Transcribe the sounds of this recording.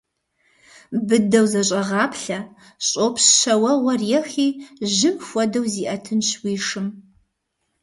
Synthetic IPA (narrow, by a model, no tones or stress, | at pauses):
bɨdɐwzɐɕʼɐʁɑːpɬɐ | ɕʼopʰsɕɐwɐwɐrjɛxiːʒɨmxʷɔdɐwziːʔɐtʰɨnɕwiːʂɨm